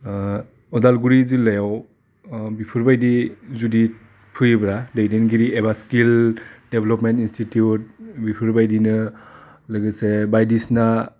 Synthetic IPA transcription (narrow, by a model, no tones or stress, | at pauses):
ɔdalɡuɾizilejaw | bipʰɯɾbajdizudi | pʰɯjbɾadejdenɡiɾiebaskildebʱelɔpmentinstitiut̚bipʰɯɾbajdinɯ | lɯɡɯsebajdisna